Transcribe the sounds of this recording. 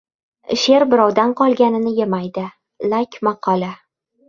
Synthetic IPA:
ʃe̞ɾbɪɾɒwd̪anqʰɒlˠɡʲanɪnɪjemajd̪ɪ | lakʲmaqʰɒlˠa

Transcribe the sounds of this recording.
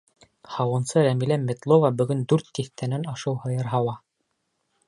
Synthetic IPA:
hɑwɤ̆nsɤɾæmilæmĕt̪lˠovɑbɵ̆ɡɵnd̪ʉɾt̪ːiθt̪ænænɑʃɤwhɤ̆jɤɾɦɑwɑ

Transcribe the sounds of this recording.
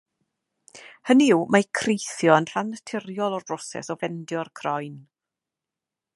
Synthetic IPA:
həniwmakʰrejθjɔənɬanətʰɪrjɔlˠɔrrɔsɛ̰sɔvɛndjɔrkʰrɔjn

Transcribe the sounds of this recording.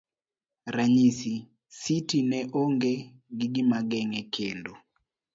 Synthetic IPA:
ɾaɲisi | sitinɛʔoŋɡe | ɡiɡɪmaɡɛŋɛkʰendo

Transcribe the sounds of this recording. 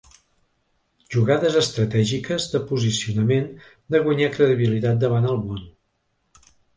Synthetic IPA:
ʒuɣaðəzəst̪ɾət̪ɛʒikəzðəpuzisiunəmen | d̪əɣwəɲakɾəðiβilit̪at̪̚d̪əβanəlˠmon

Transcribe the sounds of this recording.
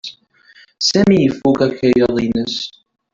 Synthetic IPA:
sæmijəfːukækːæjəðˤinəs

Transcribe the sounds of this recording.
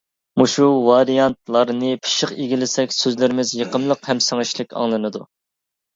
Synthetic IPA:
muʃuvɑɾijɑnt̪lˠɑɾnɨpʰi̥ʃɪqiɡʲilɪsɛkʲsøzlɪɾɪmɪzjeqəmlˠəqhɛmsɨŋɨʃlˠɨkʲɑ̰ŋlˠɨnɨd̪u

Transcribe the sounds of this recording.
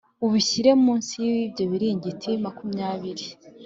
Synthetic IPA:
uβiçiɾe̞mmuːnsijiβibɟo̞βiɾiɲɟitʰimakumɲaːβiɾi

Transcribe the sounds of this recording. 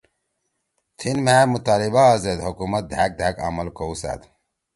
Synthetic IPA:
t̪ʰinmæːmut̪aːlibaːzed̪ɦokumɐt̪̚d̪ʱak̚d̪ʱaka̰mɐlkowsa̰t̪

